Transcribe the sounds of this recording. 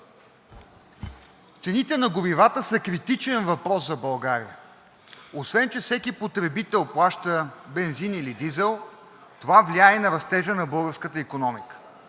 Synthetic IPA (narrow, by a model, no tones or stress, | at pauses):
t̪sɛnit̪ɛnɐɡoɾivat̪əsəkɾit̪it͡ʃɛnvɐpɾɔszɐbɐlˠɡaɾḭə | osvɛnt͡ʃɛfsɛkipot̪ɾɛbit̪ɛlˠplˠaʃt̪əbɛnzinilid̪izɛlˠ | t̪ovavliaɛinɐɾɐst̪ɛʒənɐbɤlˠɡəɾskət̪əikonɔmikə̥